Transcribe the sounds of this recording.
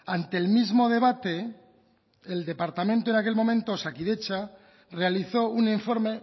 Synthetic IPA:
ant̪e̞ːlmizmo̞ð̞e̞βat̪e̞ | ld̪e̞paɾt̪amẽnt̪oe̞nake̞lmõ̞mẽ̞nt̪osakiðe̞t͡ʃa | re̞aliθo̞uniɱfo̞ɾme̞

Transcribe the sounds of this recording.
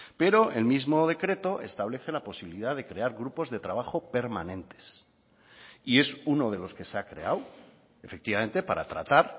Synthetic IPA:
pe̞ɾo̞e̞lmizmo̞ð̞e̞kɾe̞t̪o̞ʔe̞st̪aβle̞θe̞lapo̞siβiliðaðe̞kɾe̞aɾɣɾupo̞zðe̞t̪ɾaβ̞aχo̞pe̞ɾmanẽ̞nt̪e̥s | ie̞suno̞ð̞e̞lo̞ske̞seakɾe̞̰aw | efek̚t̪iβamẽ̞nt̪e̞paɾa̰t̪ɾa̰t̪aɾ

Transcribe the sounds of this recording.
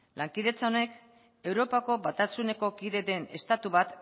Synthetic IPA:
laŋkiðe̞t͡sao̞ne̞k | e̞wɾo̞pako̞βat̪asune̞ko̞kiðe̞ðe̞ne̞st̪at̪uβat̪

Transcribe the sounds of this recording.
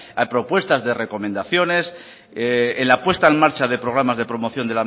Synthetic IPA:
ajpɾo̞pwe̞st̪azðe̞re̞ko̞mẽ̞nd̪aθjo̞ne̞s | enlapwe̞st̪aenmaɾt͡ʃaðe̞pɾo̞ɣ̞ɾamazðe̞pɾo̞mo̞θjo̞nd̪e̞la

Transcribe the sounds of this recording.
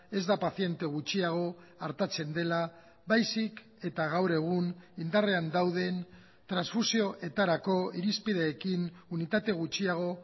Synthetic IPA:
e̞zd̪apaθie̞nt̪e̞ɣ̞ut͡ʃiaɣ̞o̞ | aɾt̪at͡se̞nd̪e̞la | βajsik | e̞t̪aɣ̞awɾe̞ɣ̞unind̪are̞and̪awð̞e̞n | t̪ɾansfusio̞ʔe̞t̪aɾako̞iɾispið̞e̞ːkin | unit̪at̪e̞ɣ̞ut͡ʃiaɣ̞o̞

